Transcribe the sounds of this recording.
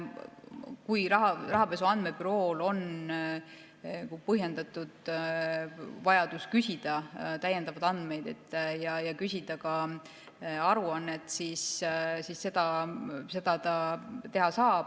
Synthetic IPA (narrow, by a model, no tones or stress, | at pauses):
kujɾɑɦɑrɑɦɑpe̞suɑnd̪me̞byɾo̞ːlo̞n | kupɤɦje̞nd̪̥ɑt̪ːˑud̪̥ | vɑjɑd̪̥uskysʲid̪̥ɑt̪æje̞nd̪ɑvɑd̪ɑnd̪me̞jd̪e̞t̪ːˑjɑjɑkysʲid̪̥ɑkɑ | ɑɾuɑnːet̪sissisːe̞d̪̥ɑse̞d̪̥ɑt̪ɑt̪e̞ɦɑsɑːb̥